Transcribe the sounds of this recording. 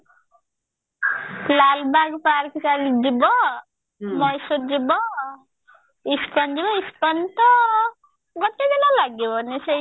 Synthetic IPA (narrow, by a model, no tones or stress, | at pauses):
lalbaɡpaɾkisalid͡ʒibɔ | mɔjsod͡ʒibɔ | ispɔnd͡ʒibɔispɔnt̪ɔ | ɡɔʈed̪elalaɡibɔnise